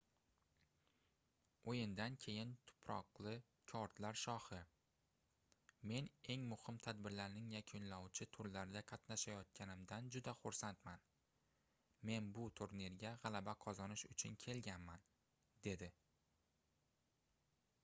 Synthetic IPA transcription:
ojɪnd̪ankʲʰe̞jɪnt̪ʰʊ̥pʰɾɒqlˠɪ | kʲʰɒɾt̪laɾʃɒhɪ | me̞ne̞ŋmʊhɪmt̪ʰad̪bɪɾlaɾnɪŋjakʲʰʊnlɒwt͡ʃʰɪt̪ʰʊɾlaɾd̪ʲaqʰɑt̪naʃajɒt̪̚kʲanɪmd̪and͡ʒʊd̪aχʊɾsant̪man | me̞nbʊt̪ʰoɾneɾɡʲaʁɑlˠabaqʰɒzɒnɪʃʊt͡ʃʰʊnkʲʰe̞lɡʲanman | d̪e̞d̪ɪ

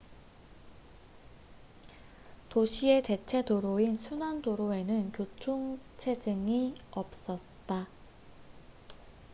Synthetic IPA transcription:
toɕʰie̞te̞t͡ɕʰe̞doɾoinsʰunandoɾoe̞nɯnkjot͡ɕʰoŋ | t͡ɕʰe̞d͡ʑɯŋiʌp̚s͈ʌt̚t͈a

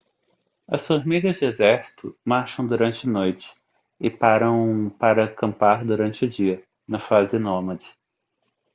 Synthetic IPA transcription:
ɐsfoɾmiɡɐzd͡ʒɪezɛɾsi̥t̪ʊmaɾʃɐ̃w̃d̪uɾɐ̃nt͡ʃɪɐnojt͡ʃɪ̥ | ɪpaɾɐ̃w̃paɾɐkɐ̃mpaɾd̪uɾɐ̃nt͡ʃɪʊd͡ʒiɐ | nɐfazɪnomɐd͡ʒɪ̥

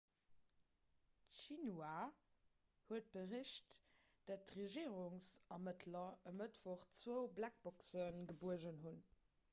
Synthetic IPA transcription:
tʃinwaː | huət̚b̥əʁiɕt | d̥æt̚tʁeʒiːʁuŋsɑmətʰlɐəmətv̥ɔχt͡svoʊblæk̚b̥ɔksənɡəbuəʑənhun

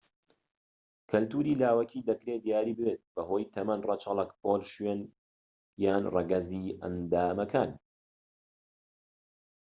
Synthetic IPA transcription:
kʰɐlt̪uːɾiːlaːwɐkʰiːd̪ɐkɾeːd̪ijaːɾiːbɨbet̪̚bɐɦo̞ːjt̪ʰɐmɐnrɐt͡ʃɐlˠɐkpʰoːlʃɥen | jaːnrɐɡɐziːʔɐ̰nd̪aːmɐkʰaːn

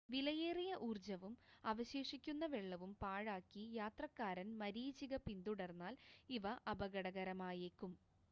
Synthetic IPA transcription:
ʋilɐjeːrijɐʔuːrd͡ʑɐʋumɐʋɐɕeːʂikʲːunːɐʋeɭːɐʋumpaːɻaːkːijaːt̪rɐkːaːɾɐnmɐɾiːt͡ɕiɣɐpind̪uɽɐrnːaːliʋɐʔɐbɐɣɐɽɐɣɐɾɐmaːjeːkːum

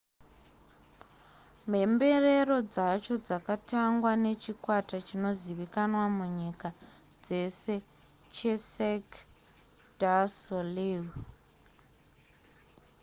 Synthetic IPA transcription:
me̞mbe̞re̞ro̞d͡zat͡ʃo̞d͡zakataŋɡwane̞t͡ʃikwatat͡ʃino̞ziʋikanwamuɲika | d͡ze̞se̞ | t͡ʃe̞sek | dasolivu

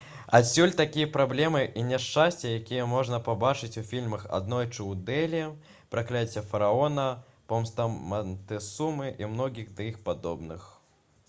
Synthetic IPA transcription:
a̰sʲːulʲt̪akʲijɐpɾablʲɛmɨʔinʲɛʂt͡ʂasʲt͡sʲɛjakʲijɛmɔʐnɐpabat͡ʂɨt͡sʲufʲilʲmɐxa̰d̪nɔjt͡ʂɨwd̪ɛlʲ | pɾaklʲat͡sʲːɛfɐɾaɔnɐ | pɔmst̪ɐmɐnt̪ɛsumɨʔimnɔɡʲiɣd̪ɐixpad̪ɔbnɨx

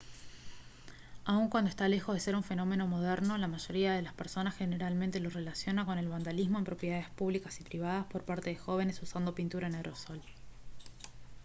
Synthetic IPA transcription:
auŋkwand̪oe̞st̪ale̞xo̞ðe̞se̞ɾuɱfe̞no̞me̞no̞mo̞ð̞ɛɾno̞lamaʒo̞ɾiaðe̞laspeɾso̞nasxe̞ne̞ɾalmẽnt̪e̞lo̞re̞lasjo̞nako̞ne̞lβand̪alizmo̞empɾo̞pjeðaðespuβlikasipɾiβ̞að̞aspo̞ɾpaɾt̪e̞ðexo̞β̞e̞ne̞susand̪o̞pint̪uɾaeneɾoso̞l

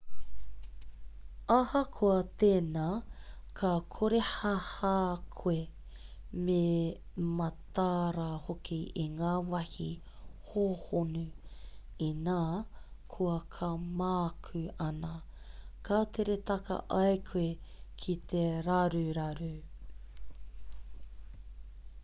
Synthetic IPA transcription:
ahɐkʰoɐt̪eːnaː | kʰɐkʰoɾehahaːkʰwe | memɐt̪aɾahokʰiiŋaːwɐhḭ | hoːhonu | inaːkʰuɐkʰɐmaːkʰʉɐnɐ | kʰaːt̪ʰeɾet̪ɐkɐ̰ʔɐjkʰekʰit̪ʰeɾaɾʉɾɐɾʉ

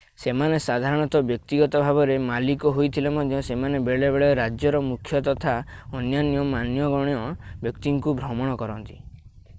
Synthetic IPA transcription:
semanesad̪ʱaɾɔɽ̃ɔt̪ɔbjɔk̚t̪iɡɔt̪ɔbʱabɔɾemalikɔɦojt̪ʰilemɔd̪ʱjɔsemanebeɭebeɭɔɾad͡ʒjɔɾɔmukʰjɔt̪ɔt̪ʰaɔnjanjɔmanjɔɡɔɽ̃jɔbjɔkt̪iŋkubʱɾɔmɔɽ̃ɔkɔɾɔnt̪i̥

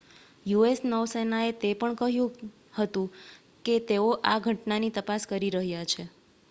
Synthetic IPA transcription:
juesnəʋsenaet̪epəɳkəɦjũ | hət̪ũ | ket̪eoʔaɡʱəʈnanit̪əpaskəɾiɾəɦjat͡ʃʰe

